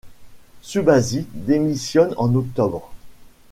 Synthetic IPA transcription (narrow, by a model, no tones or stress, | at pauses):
sybazid̪emisjɔnɑ̰̃nɔk̚t̪ɔbʁ